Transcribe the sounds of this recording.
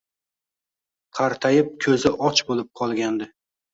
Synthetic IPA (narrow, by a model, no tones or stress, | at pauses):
qʰɑɾt̪ʰajɪp̚kʲʰɵzɪʔɒt͡ʃbolɪp̚qʰɒlˠɡʲand̪ɪ